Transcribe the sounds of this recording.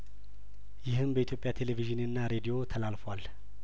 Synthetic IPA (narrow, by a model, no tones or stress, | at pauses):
jɪɦɨmbəit̪ʰjo̞pʼjat̪ʰe̞leviʒɨnɨnːaɾe̞d̪ijo̞t̪ʰəlalfwal